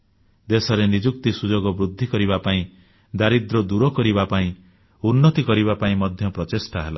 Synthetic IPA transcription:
d̪esɔɾenid͡ʒukt̪isud͡ʒɔɡɔbɾud̪ʱːikɔɾiβapaĩ | d̪aɾid̪ɾɔd̪uɾɔkɔɾibapaĩ | unːɔt̪ikɔɾiβapaĩmɔd̪ʱjɔpɾɔtesʈaɦela̰

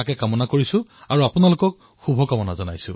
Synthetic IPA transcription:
akɛkamɔnakoɹisʊ̃aɹuapʊnalʊkɔk̚ | xubʱɔkamɔnazɔna̰jsʊ̰̃

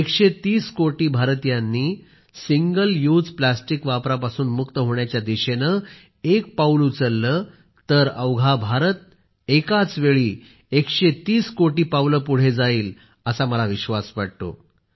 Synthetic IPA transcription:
ekɕet̪iːskoʈiːbʱaɾət̪janːiː | siŋɡəljud͡zplasʈikʋapɾapasuːnmukt̪əɦoɳjat͡ɕjad̪iɕenə | ek̚pawlut͡səlːəː | t̪əɾəwɡʱabʱaɾət̪̚ | ekat͡sʋeɭiː | ekɕet̪iːskoʈiːpawləpuɽ̤ed͡zaiːl | əsaməlaʋiɕʋasʋaɽ̚t̪o̰

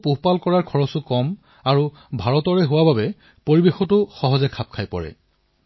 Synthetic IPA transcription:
puɦpalkɔɹaɹkʰɔɹɔsʊkɔm | aɹu | bʱaɹɔtɔɹɛɦʊwababɛ | poɹibexɔtʊxɔɦɔzɛkʰap̚kʰajpɔ̰ɹɛ̰

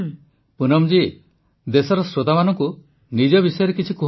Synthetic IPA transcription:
punɔmd͡ʒi | d̪esɔɾɔsɾot̪amanɔŋku | nid͡ʒɔbisɔjɔɾekit͡ʃʰiku

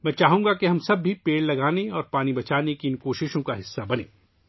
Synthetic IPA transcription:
mɛ̃ːt͡ʃaːɦũŋɡakeɦɐmsɐbːʱipeːɽlɐɡaːneɔːɾpaːnibɐt͡ʃaːnekiɪnkoːʃɪʃõkaɦɪsːabɐnḛ̃ː

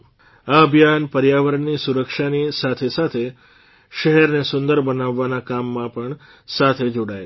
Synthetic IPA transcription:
aəbʱjanpəɾjaʋəɾəɳːisuɾəkʃanisat̪ʰesat̪ʰe | ʃəɦɛɾnesʊnd̪əɾbənaʋːanakamːãpəɳ | sat̪ʰed͡ʒoɽae

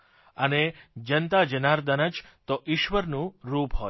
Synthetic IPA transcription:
əned͡ʒənt̪ad͡ʒənaɾd̪ənəd͡ʒt̪oʔiʃʋəɾnũɾupɦo

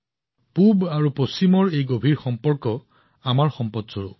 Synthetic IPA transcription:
pubaɹuposimɔɹejɡobʱiɹxɔmpɔɹkɔ | amaɹxɔmpɔtsoɹu

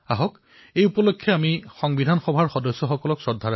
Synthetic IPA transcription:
aɦɔk | ejupɔlokʰːɔamixɔŋbidʱanxɔbʱaɹxɔdɔjsːɔxɔkɔlɔksɔdʱːaɹ

